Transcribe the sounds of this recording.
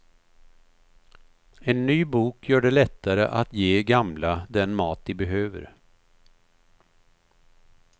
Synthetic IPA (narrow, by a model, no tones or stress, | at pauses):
ɛnːyːbuːkjœːɖɛlɛt̪ʰːaɾə̰ʔat̪jeːɡamlad̪ɛnmɑːt̪̚d̪ɪbɛɦøːvə̰ɾ